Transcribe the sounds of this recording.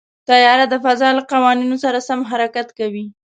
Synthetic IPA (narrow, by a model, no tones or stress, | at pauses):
t̪ajɑɾad̪əfazɑlaqawɑninosaɾasamɦaɾakat̪kawi